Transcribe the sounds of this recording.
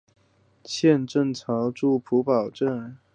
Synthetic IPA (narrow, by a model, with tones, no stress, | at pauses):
t͡ɕʰjɛ˥˧nʈ͡ʂɤ˥˩ŋt͡sʰɑ˧˥ŋʈ͡ʂu˥˩pʰu˧˥pɑ˨˩ʊʈ͡ʂə˥˩n